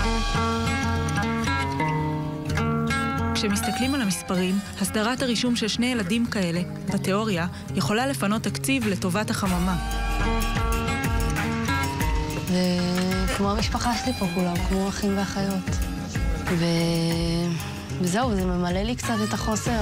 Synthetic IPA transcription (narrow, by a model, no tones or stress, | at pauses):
kʃe̞mist̪aklimalamispaʁimhasdaʁataʁiʃumʃe̞lʃne̞jeladimkae̞le̞ | bate̞o̞ʁja | je̞χo̞lale̞fano̞t̪ːakt͡sivle̞to̞vathaχamama | vekmo̞amiʃpaχaʃelipokulamkmoaχimveaχajo̞t | ve | veze̞uvzeme̞male̞likt͡sate̞t̪aχo̞se̞